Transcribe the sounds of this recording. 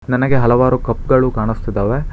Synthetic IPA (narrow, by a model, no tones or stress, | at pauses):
nɐnɐɡe̞ɦɐlɐʋaːɾukɐpːɡɐɭukaːɳist̪id̪ɐːʋe